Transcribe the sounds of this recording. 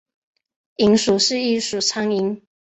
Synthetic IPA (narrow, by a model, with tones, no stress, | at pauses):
i˧˥ŋʂu˨˩ʂɻ̩˥˧i˥˧ʂu˨˩t͡sʰa˥ŋi˧˥ŋ